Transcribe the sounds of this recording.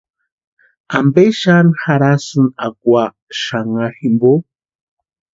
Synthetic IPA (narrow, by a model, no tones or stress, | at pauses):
ambeʃanxaɾasunakwʷa | ʃaŋaximbo